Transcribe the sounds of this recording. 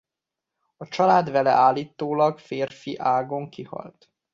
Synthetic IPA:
ɒt͡ʃɒlaːd̪vɛlɛ̰ʔaːlːiːt̪ːoːlɒɡfeːrfiʔaːɡoŋkihɒ̰lt̪

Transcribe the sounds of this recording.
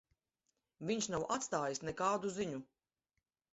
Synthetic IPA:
viɲʃnawʔat̪st̪aːjisnɛkaːd̪uziɲu

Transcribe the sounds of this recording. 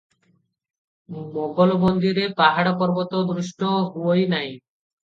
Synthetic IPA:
moɡolbond̪iɾepaɦaɽapɔɾbot̪od̪ɾuʃʈoɦoojnaj

